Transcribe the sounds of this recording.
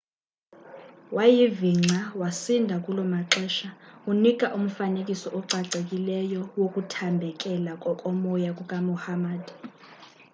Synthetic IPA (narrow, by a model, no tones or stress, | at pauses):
wajiviŋ͡ǀʱawasindʱakʼulɔmaǁɛːʃaunik̬ʼaʔum̩fanek̬ʼisɔʔɔǃʱaǀʱek̬ʼilɛjɔwokʼutʰambʱɛkʼɛlakʼɔkʼɔmɔjak̬ʼukʼamɔhamaːdʱ